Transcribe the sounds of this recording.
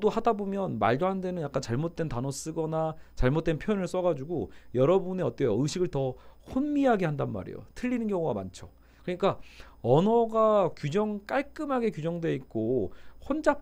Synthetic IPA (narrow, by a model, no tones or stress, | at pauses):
dohadabomjʌnma̰ɭdoɦandenɯnjak͈ant͡ɕaɭmot̚t͈e̞ntanʌs͈ɯɡʌnat͡ɕaɭmot̚t͈e̞npʰjojʌnɯɭs͈ʌɡad͡ʑuɡojʌɾʌbuneʌt͈ejʌɯɕʰiɡɯɭtʌhonmiɦaɡe̞handanma̰ɾḛjo̰tʰɯʎːinɯnɡjʌŋuɡama̰nt͡ɕʰo̥ | kɯɲik͈a | ʌnʌɡakjud͡ʑʌŋk͈aɭk͈ɯmɦaɡe̞kjud͡ʑʌŋdwe̞ik̚k͈ohond͡ʑa